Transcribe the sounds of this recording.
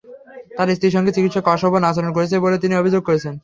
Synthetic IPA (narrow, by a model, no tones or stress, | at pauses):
t̪aɾist̪iʃɔŋɡet͡ɕikit̪ʃɔkːɔʃɔbʱonat͡ɕʰaɾonkoɾet͡ɕʰebolet̪iniobʱid͡ʑoɡ̚koɾet͡ɕʰen